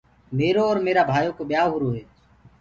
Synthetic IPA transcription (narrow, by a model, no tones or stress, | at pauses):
meːɾoːɔːɾmeːɾaːbʱaːjoːkoːɓɪjaːɦʊːɾoːɦeː